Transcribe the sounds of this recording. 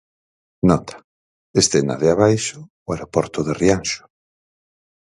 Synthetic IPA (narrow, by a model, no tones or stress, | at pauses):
nɔt̪ʰḁ | est̪ena̰ðeaβajʃʊ | ʊaɾopɔɾt̪ʊðerianʃʊ̥